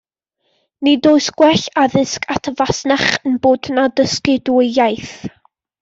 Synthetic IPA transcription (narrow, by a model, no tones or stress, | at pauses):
nidoːɨsɡ̥wɛɬaðɪskʰatʰəvasnaχənboːdnadəskɪduəjaɨθ